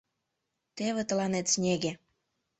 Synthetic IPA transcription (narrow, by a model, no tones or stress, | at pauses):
t̪eβet̪əlɑnet̪snʲeɣe